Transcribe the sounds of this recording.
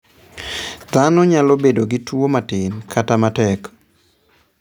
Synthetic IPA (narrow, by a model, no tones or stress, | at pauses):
d̪anɔɲalobedoɡɪtwomatɪnkʰatamatɛk